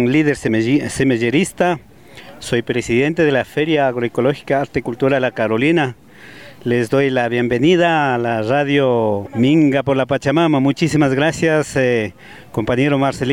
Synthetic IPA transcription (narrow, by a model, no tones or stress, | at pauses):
liðeɾssemeʝeɾist̪a | sojpɾesiðent̪eðelafeɾjaːɣɾoekoloxi̥kaaɾt̪ekult̪uɾalakaɾolina | lezd̪ojlaβjembeniðalaraðjomiŋɡapoɾlapat͡ʃamamamut͡ʃisimazɣɾasjas | kompaɲeɾomaɾsel